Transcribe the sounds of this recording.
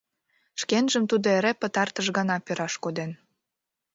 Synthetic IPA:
ʃkenʒəmt̪ud̪oeɾepət̪ɑrt̪əʃɣɑnɑpøɾɑʃkod̪en

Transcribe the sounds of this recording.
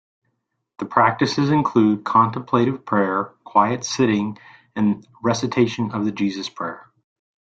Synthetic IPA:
ðɨpʰɹ̥æk̚tɨsɨzɨ̃nkʰl̥ʉd̚kʰɑ̃ntə̃m̩pʰl̥eɪɾɨv̥pʰɹ̥ɛɹkʰw̥aɪɨtsɪɾɪ̃ŋ | ɨ̃n | ɹɛsɨtʰeɪʃɨ̃nʌvðɨd͡ʒizɨspʰɹ̥ɛɹ

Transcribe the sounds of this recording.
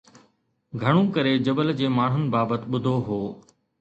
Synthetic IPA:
ɡʱɐɽ̃ũkɐɾed͡ʑɐbəld͡ʑeːmaːɳ̤ʊnɪ̆baːbət̪ɪɓʊd̪ʱoɦoː

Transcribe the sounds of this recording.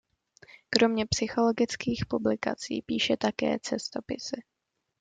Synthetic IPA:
kɾo̞mɲɛpsɪxo̞lo̞ɡɪt͡skiːxpublɪka̰t͡sḭːpiːʃɛt̪akɛ̰ːt͡sɛst̪o̞pɪsɪ

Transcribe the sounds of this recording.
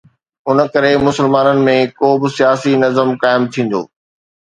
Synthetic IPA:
ʊnəkɐɾemʊsəlmaːnənɪ̆mẽkoːbɪsijaːsinɐzəmkaːɪmt̪ʰĩːn̆d̪o̰ː

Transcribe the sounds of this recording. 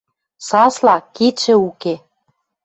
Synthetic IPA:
sɑslɑkit͡ɕɘ̆uke

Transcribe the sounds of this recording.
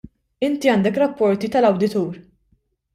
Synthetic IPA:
ɪnt̪iɐːnd̪ɛkɾɐpːɔɾt̪it̪ɐlɐwd̪ɪt̪uːɾ

